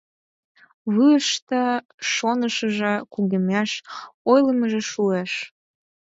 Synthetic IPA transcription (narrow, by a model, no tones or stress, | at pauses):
βuəʃt̪ə̆ | ʃonəʃəʒĕkuɣemæʃojləməʒĕʃueʃ